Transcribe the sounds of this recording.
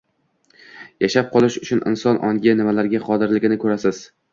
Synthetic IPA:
jaʃap̚qʰɒlˠɪʃʊt͡ʃʰʊnʔɪ̰nsɒnʔɒŋɡʲɪnɪmalaɾɡʲaqʰɒd̪ɪɾlɪɡʲɪnɪkʰɵɾasɪz̥

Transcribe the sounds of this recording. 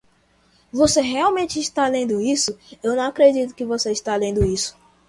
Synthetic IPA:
voseɦeawmẽnt͡ʃɪːʃt̪alẽnd̪ʊisʊewnɐ̃w̃akɾed͡ʒit̪̬ʊ̥kɪvoseiʃt̪alẽnd̪ʊisʊ̥

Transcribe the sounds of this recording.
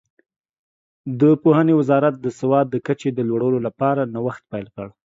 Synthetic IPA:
d̪əpohənewɪzɑɾat̪̚d̪əsɪwɑd̪ːəkat͡ʃed̪əlwaɽawlolapɑɾanawaxt̪̚pajlkəɽ

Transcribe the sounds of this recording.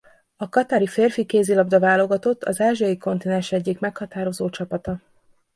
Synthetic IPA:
ɒkɒt̪aːɾifeːrfikeːzilɒbd̪ɒvaːlo̞ɡɒt̪o̞t̪ːɒzaːʒiɒjiko̞nt̪inɛnʃɛɟːikmɛkhɒt̪aːɾo̞zoːt͡ʃɒpɒt̪ɒ

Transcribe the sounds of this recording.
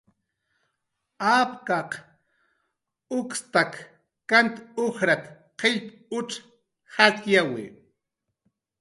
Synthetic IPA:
apkaq | ʊkst̪ak | kant̪oxɾat̪ | qeʎp | ʊʈ͡ʂ | hat̪jawɪ̰

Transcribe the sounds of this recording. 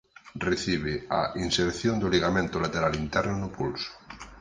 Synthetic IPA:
reθiβ̞ea̰ʔinseɾθjond̪oliɣamẽnt̪ʊlat̪eɾalint̪ɛɾnʊnʊpulsʊ̥

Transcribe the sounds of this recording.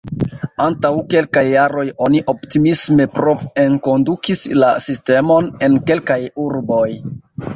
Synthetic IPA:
antawke̞lkajːaɾo̞jo̞niʔo̞ptimisme̞pɾo̞ve̞nko̞ndukislasiste̞mo̞ne̞nke̞lkajuɾbo̞j

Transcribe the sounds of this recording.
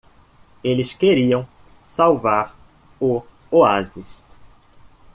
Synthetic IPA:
elɪskeɾiɐ̃w̃ | sawvaɾ | ʊ | oazɪʃ

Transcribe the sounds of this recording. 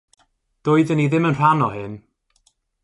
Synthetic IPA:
d̥ʊːɨðəniðɪmənr̥anɔhɪn

